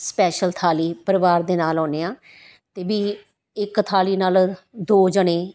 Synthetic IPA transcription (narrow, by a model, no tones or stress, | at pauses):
spɛːʃəlt̪ʰaːliːpəɾɪʋaːɾd̪eːnaːlɔ̃ːneːãː | t̪eːʋiː | ɪkːt̪ʰaːliːnaːld̪oːd͡ʒəɽẽː